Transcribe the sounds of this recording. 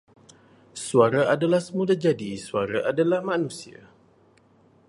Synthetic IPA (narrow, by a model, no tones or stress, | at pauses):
suaɾaʔadalahsəmudad͡ʒadisuaɾaʔadalahmãnũsia̰